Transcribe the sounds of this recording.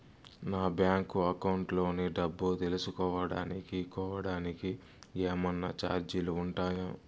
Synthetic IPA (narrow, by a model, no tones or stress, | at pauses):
naːbjaːŋkuɐkɐwɳʈlo̞ːniɖɐbːut̪elusukɔːʋɐɽa̰ːnikikɔːʋɐɽaːniki | eːmɐnːɐt͡ʃa̰ːɾd͡ʒiluuɳʈaːja